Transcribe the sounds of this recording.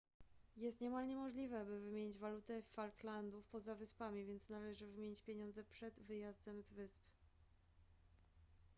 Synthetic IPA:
jɛst̪ɲɛmalɲɛmɔʐlʲivɛbɘvɘmʲjeɲid͡ʑvalut̪ɛfalt̪land̪ufpɔzavɘspamʲivʲjɛnt̪snalɛʐɘvɘmʲjeɲit͡ɕpʲjeɲɔnd̪zɛpʂɛd̪vɘjazd̪ɛmzvɘsp

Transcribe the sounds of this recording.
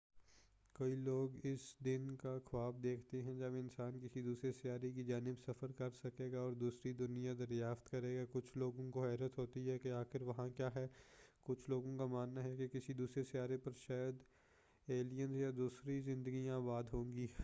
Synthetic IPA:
koiloːɡɪsd̪ɪnkaxʰɐaːb̚d̪eːkʰt̪eɦɛ̃d͡ʒɐbɪnsaːnkɪsid̪uːsɾesɪjaːɾek̬id͡ʒaːnɪbsɐfəɾkɐɾsɐkeːɡaɔːɾd̪uːsɾid̪ʊnijad̪ɐɾjaːft̪kɐɾeːɡakʊt͡ʃʰloːɡõkoɦɛːɾət̪ɦoːt̪iɦɛkeaːxɪɾʋɐɦãkjaːɦɛːkʊt͡ʃʰloːɡõkamaːnːaɦɛkekɪsid̪uːsɾesɪjaːɾepɐɾʃaːjəd̪ | eːlijənzjad̪uːsɾizɪ̃nd̪əɡijãbaːd̪ɦõːɡiː

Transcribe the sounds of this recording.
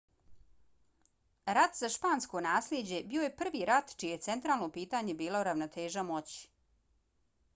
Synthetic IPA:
ɾat̪zaʃpaːnsko̞naːslʲed͡ʑe̞bio̞je̞pr̩ʋiɾat̪t͡ʃijeet̪se̞nt̪ɾaːlˠno̞piːt̪aːɲe̞biːlˠoɾaʋnot̪e̞ːʒamo̞t͡ɕi̥

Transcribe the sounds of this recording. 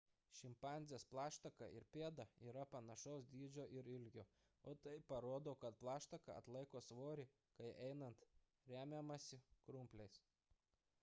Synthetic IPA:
ʃʲɪmpɑˑnʲzʲesplˠɑːʃt̪ɐkɐʔɪɾpʲeːd̪ɐiːɾɐpɐnɐʃɔʊsd̪ʲiːd͡ʒʲoːʔɪɾɪlʲɡʲoː | oːt̪ɐɪpɐɾoːd̪oːkɐt̪plˠɑːʃt̪ɐkɐ̰ɐ̰t̪lˠɐɪkoːsʋoːɾʲɪ | kɐɪʔɛɪnɐnt̪ | ɾʲæːmʲemɐsʲɪkɾʊmʲpʲlʲɛɪs

